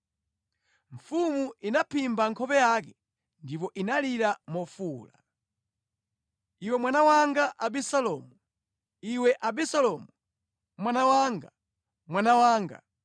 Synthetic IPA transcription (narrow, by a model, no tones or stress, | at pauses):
ɱ̩fumuʔinapʰimbaŋkʰɔpɛjak̬ɛ | ndip̬ɔʔinaliɾamɔfuːla̰ | iwɛmwanawaŋɡaʔaɓisalɔmu | iwɛʔaɓisalɔmu | mwanawaːŋɡa | mwanawaːŋɡa̰